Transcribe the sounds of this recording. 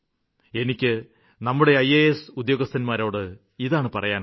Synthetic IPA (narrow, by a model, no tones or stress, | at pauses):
e̞nikʲːɨ | nɐmːuɽe̞ɐjːejesud̪jo̞ːɡɐst̪ʰɐnmaːɾo̞ːɽɨ | iðaːɳɨpɐrɐjaːn